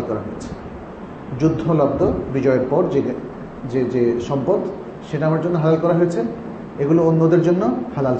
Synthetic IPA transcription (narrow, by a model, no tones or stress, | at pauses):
lkɔɾaɦoet͡ɕʰe̥ | d͡ʑud̪ʱːolab̚d̪ʱobid͡ʑɔeeɾpɔɾd͡ʑe | d͡ʑed͡ʑeʃɔmpod̪ | ʃeʈaamaɾd͡ʑonːoɦalalkɔɾaɦojet͡ɕʰe | eɡuloonːod̪eɾd͡ʑonːohalal